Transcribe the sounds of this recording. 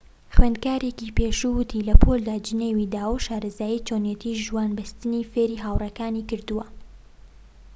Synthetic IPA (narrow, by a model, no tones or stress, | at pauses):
xwend̪̚kaːɾekipeːʃuwɨt̪ʰilɐpʰold̪aːd͡ʒɨneːwid̪aːwʃaːɾɐzaːjit͡ʃʰonjet̪ʰiʒuwaːnbɨst̪ɨnifeːɾiɦaːwrɐkaːnikɨɾd̪uwɐ